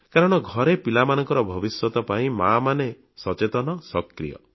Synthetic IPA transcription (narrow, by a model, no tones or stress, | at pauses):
kaɾɔɽ̃ɔɡʱɔɾepilamanɔŋkɔɾɔbʱɔbiswɔt̪ɔpaĩmamane | sɔt͡ʃet̪ɔnɔsɔkɾḭjɔ̰